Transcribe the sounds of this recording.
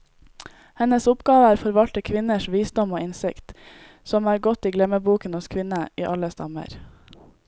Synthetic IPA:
hɛnəsʊpɡ̥ɑːʋəæːɾfɔɾʋɑlt̪əkʰʋɪnəʃʋiːsd̪ɔmoːɪnsɪkt̪ | sɔmæːɾɡɔt̪iːɡlɛməbuːkənɔskʰʋɪnəiːʔɑləst̪ɑ̰mə̰ɾ

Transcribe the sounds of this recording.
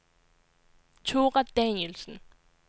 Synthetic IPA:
t͡sʰoʁad̥ænjelsən̩

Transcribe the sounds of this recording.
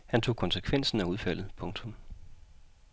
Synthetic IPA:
hænt͡sʰo̝̰ːkʰɒ̽nsəkʰʋen̰sn̩æuðˠfæl̰ð̞̩ˠpʰɔ̽ŋt͡sʰɔ̽m

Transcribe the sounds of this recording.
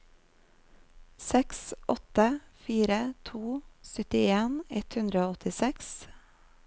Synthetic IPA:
sɛksʔɔt̪əfiːɾət̪ʰuːsœt̪ɪeːnɛt̪hʉnd̪ɾəoːɔt̪ɪsɛks

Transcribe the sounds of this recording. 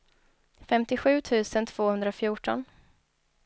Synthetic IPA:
fɛmt̪ɪɧʉ̟ːt̪ʰʉ̟ːsənt̪ʰv̥oːhɵnd̪ɾaɔfjuːʈɔ̰n

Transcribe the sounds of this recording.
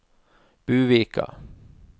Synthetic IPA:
b̥ʉːveːka̰

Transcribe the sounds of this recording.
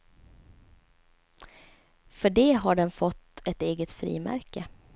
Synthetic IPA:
fœɖɛːɦaɖɛnfɔt̪ːɛt̪eːɡət̪fɾḭːmæ̰ɾkə

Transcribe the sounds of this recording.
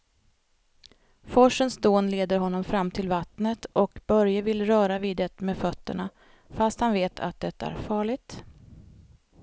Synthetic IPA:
fɔʂənsd̪oːnleːd̪əɾɦɔnːɔmfɾamːt̪ʰɪlvat̪nət̪ʰɔkbœɾjəvɪlɾœːɾaviːd̪ɛt̪meːfœt̪ːə̰ɳa | fast̪hanveːt̪ʰa̰t̪̚d̪ɛt̪ːaæ̰ɾfɑːɭɪɡ̚t̪

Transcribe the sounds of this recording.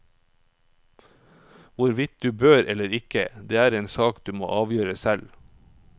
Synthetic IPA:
ʋʊɾʋɪt̪̚d̪ʉːbøːɾɛləɾɪkə̰d̪eːæːɾeːnsɑːkd̪ʉːmo̰ːʔɑːʋjøːɾəsɛl

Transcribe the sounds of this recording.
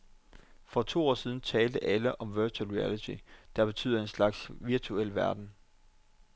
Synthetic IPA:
fɒ̽t͡sʰo̝̰ːɒ̰ːsið̞ˠn̩t͡sʰɛːld̥əʔæləʔɒ̽mʋøɐt͡sʰulʁuælit͡sʰid̥ɑ̈b̥e̝̥t͡sʰy̰ːðˠɐe̝nslɑ̈ɡ̥sʋiɐt͡sʰuel̰ʋæɐd̥n̩

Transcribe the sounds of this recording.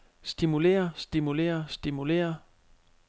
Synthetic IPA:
sd̥imule̝̰ːɐsd̥imule̝̰ːɐsd̥imule̝̰ːɐ

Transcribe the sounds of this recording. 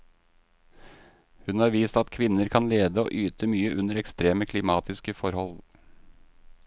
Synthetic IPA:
hʉnɑːɾʋiːst̪ɑt̪kʰʋɪnəɾkʰɑnleːd̪əo̰ːʔyːt̪ʰəmyːəʔʉnəɾɛkst̪ɾeːməkʰlɪmɑːt̪ɪskəfɔɾhɔl

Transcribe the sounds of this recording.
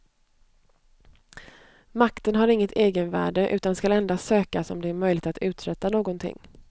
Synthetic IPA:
makt̪ənɦaɾɪŋːət̪ʰeːɡənvæ̰ːɖəʔʉ̟ːt̪anskalɛnd̪asøːkasɔ̰md̪ɛæɾmœjlɪɡt̪at̪ʉ̟ːt̪ɾɛt̪ːanoːɡɔnt̪ʰɪ̰ŋː

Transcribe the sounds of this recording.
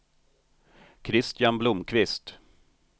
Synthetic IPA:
kʰɾɪst̪ɪjanblʊmkʰvɪst̪

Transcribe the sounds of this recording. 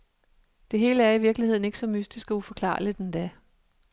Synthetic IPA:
d̥e̝ɦe̝ːləæɐiʋiɐɡ̥lihe̝ð̞̰ˠn̩e̝ɡ̥əsɒ̽mysd̥isɡ̥æufɒ̽kʰlɑ̰̈ːlid̥end̥æ

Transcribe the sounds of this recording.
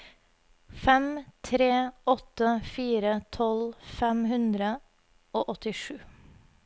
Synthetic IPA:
fɛmt̪ʰɾeːʔɔt̪əfiːɾət̪ʰɔlfɛmhʉnd̪ɾə | oːʔɔt̪ɪʂʉː

